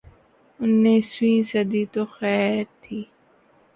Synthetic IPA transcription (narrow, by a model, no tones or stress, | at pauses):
ʊnːeːswĩːsɐd̪iːt̪oːxɛːɾt̪ʰiː